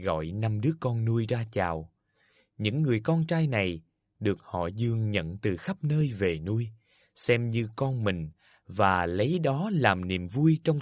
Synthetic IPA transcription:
ɣɔ̰˧˨jna˧mɗɨ˦˥əkɔ˧nːu˧əjzaː˧t͡ɕaː˨˩w | ɲɨ̰˧˥ŋːɨ˨˩əjkɔ˧nt͡ɕaː˧jna˨˩j | ɗɨ˨˩ək̚hɔ̰˧˨zɨ˧˩əŋɲə̰˧˨nt̪ɨ˨˩xa˦˥p̚nəː˧jve˨˩nu˧əj | sɛ˧mɲɨ˧kɔ˧nmï˨˩ŋ̟ | vaː˨˩lə˨˦jɗɔ˨˦laː˨˩mnḭ˨˩əmvu˧jt͡ɕɔ˧wŋ͡m

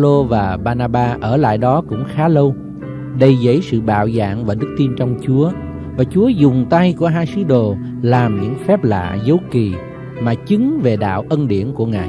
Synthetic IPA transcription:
lo˧vaː˨˩ɓaː˧naː˧ɓaː˧ʔəː˧˩la̰ː˧˨jɗɔ˨˦kʊ̰˧˥ŋ͡mxaː˨˦lə˧w | ɗə˧jzə̰˧˥jsɨ̰˧˨ɓa̰ː˧˨wza̰ː˧˨ŋvaː˨˩ɗɨ˦˥k̚t̪i˧nt͡ɕɔ˧wŋ͡mt͡ɕu˨˦ə | vaː˨˩t͡ɕu˨˦əzʊ˨˩ŋ͡mt̪a˧jku˧˩əɦaː˧jsɨ˨˦ɗo˨˩ | laː˨˩mɲɨ̰˧˥ŋfɛ˦˥p̚la̰ː˧˨zə˨˦wki˨˩ | maː˨˩t͡ɕɨ˨˦ŋve˨˩ɗa̰ː˧˨wʔə˧nɗḭ˧˩ənku˧˩əŋa̰ː˧˨j

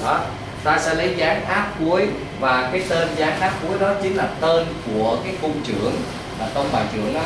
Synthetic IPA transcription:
ɔ˨˦ | t̪aː˧sɛ̰˧˥lə˨˦jzaː˨˦ŋʔaː˦˥p̚ku˨˦əj | vaː˨˩kaː˨˦jt̪əː˧nzaː˨˦ŋʔaː˦˥p̚ku˨˦əjɗɔ˨˦t͡ɕï˨˦ŋlaː˨˩t̪əː˧nku˧˩əkaː˨˦jko˧ŋ͡mt͡ɕɨ̰˧˩˨əŋ | maː˨˩t̪ə˧wŋ͡mɓaː˨˩jt͡ɕɨ̰˧˩əŋɗɔ˨˦

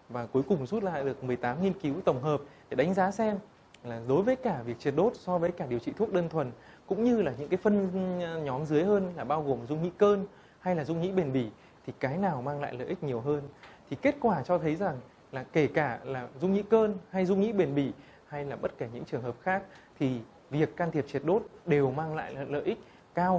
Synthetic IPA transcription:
vaː˨˩ku˨˦əjkʊ˨˩ŋ͡msu˦˥t̚la̰ː˧˨jɗɨ˨˩ək̚mɨ˨˩əjt̪aː˨˦mŋi˧nki˨˦wt̪ə˧˩wŋ͡mɦəː˨˩p̚ | e˨˩ɗa˨˦ŋ̟zaː˨˦sɛ˧m | laː˨˩ɗo˨˦jvəː˨˦jkaː˧˩vi˨˩ək̚t͡ɕi˨˩t̚ɗo˦˥t̚sɔ˧vəː˨˦jkaː˧˩ɗi˨˩əwt͡ɕḭ˧˨u˦˥ək̚ɗəː˧nt̪ʰwə˨˩nkʊ̰˧˥ŋ͡mɲɨ˧laː˨˩ɲɨ̰˧˥ŋkaː˨˦jfə˧nɲɔ˨˦mzɨ˨˦jhəː˧nlaː˨˩ɓaː˧wɣo˨˩mzʊ˧ŋḭ˧˥kəː˧n | ha˧jlaː˨˩zʊ˧ŋ͡mŋḭ˧˥ɓe˨˩nɓi˧˩ | t̪ʰi˨˩kaː˨˦jnaː˨˩wmaː˧ŋla̰ː˧˨jlə̰ː˧˨ʔi˦˥k̟̚ɲi˨˩əwɦəː˧nt̪ʰi˨˩ke˦˥t̚kwaː˧˩t͡ɕɔ˧t̪ʰə˨˦jza˨˩ŋ | laː˨˩ke˧˩kaː˧˩laː˨˩zʊ˧ŋ͡mŋḭ˧˥kəː˧nha˧jzʊ˧ŋ͡mŋḭ˧˥ɓe˨˩nɓi˧˩ | ha˧jlaː˨˩ɓə˦˥t̚kaː˧˩ɲɨ̰˧˥ŋt͡ɕɨ˨˩əŋɦhəː˨˩p̚xaː˦˥k̚t̪ʰi˨˩ | vi˨˩əkːaː˧nt̪ʰi˨˩əp̚t͡ɕi˨˩ət̚ɗo˦˥t̚ɗe˨˩wmaː˧ŋla̰ː˧˨jlə̰ː˧˨ʔï˦˥k̚ | kaː˧w

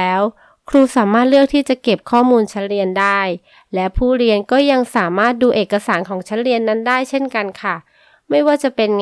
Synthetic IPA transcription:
ɛː˦˥w | kʰɾuː˧saː˩˦maː˥˩t̪̚lɯ˥ək̚t̪ʰiː˥˩t͡ɕa˨˩ke˨˩p̚kʰɔː˥˩muː˧nt͡ɕʰa˦˥nɾi˧əndaː˥˩j | lɛ˦˥pʰuː˥˩ɾi˧ənkɔː˥˩ja˧ŋsaː˩˦maː˥˩t̪̚duː˧ʔeː˨˩kːa˧saː˩˦nkʰɔː˩˦ŋt͡ɕʰa˦˥n̚ɾi˧ənːa˦˥ndaː˥˩jt͡ɕʰe˥˩nka˧nkʰa˥˩ | ma˥˩jwaː˥˩t͡ɕa˨˩pe˧n

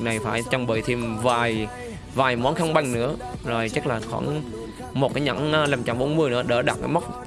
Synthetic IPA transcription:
na˨˩jfaː˧˩jt͡ɕɔ˧wŋ͡mɓəː˧˨˩jt̪ʰi˧˩mvaː˨˩j | vaː˨˩jmɔ˨˦nxa˧wŋ͡mɓa˧jŋnɨ̰˧˥əzo˨˩jt͡ɕə˦˥k̚laː˨˩xɔ̰˧˩˦n | mo˨˩t̚kaː˨˦ɲa̰˧˥n˧la˧˩mt͡ɕa˧˩mɓo˨˦nmɨ˧əjnɨ̰˧˥əɗə̰ː˧˩ɗa̰˨˩t̚kaː˨˦ma˦˥wk͡p̚

